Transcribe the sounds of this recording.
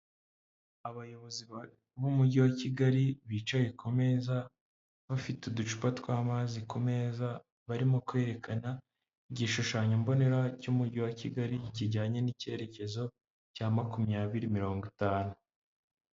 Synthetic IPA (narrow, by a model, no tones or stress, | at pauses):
aβajo̞βo̞ziβ | βumuɟiwaciɡaɾiβiːt͡ʃaje̞kume̞za | βafitudut͡ʃu̥patkwaːmaːzikume̞ːza | βaɾimo̞kwe̞ɾe̞kʰana | iɟiʃuʃaːɲombo̞ne̞ɾacumuɾɟiwaciɡaɾiciɟaːɲe̞nice̞ɾe̞ce̞zo̞ | caːmakumɲaːβiɾimiɾo̞ːŋɡitaːnu